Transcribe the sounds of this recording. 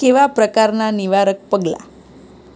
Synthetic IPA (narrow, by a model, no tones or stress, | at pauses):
keʋapɾəkaɾnaniʋaɾək̚pəɡla̰